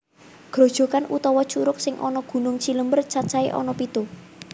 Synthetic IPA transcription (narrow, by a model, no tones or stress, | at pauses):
ɡ̥ɾo̤d̥ʒ̥ɔ̤kanṵt̪ɔwɔt͡ʃuɾʊk̚sɪŋʔɔ̰nɔɡ̥ṳnʊŋt͡ʃiləmbərt͡ʃat͡ʃaeʔɔ̰nɔpit̪u